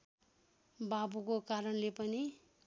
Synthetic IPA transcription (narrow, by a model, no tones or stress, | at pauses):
babukokaɾʌnlepʌni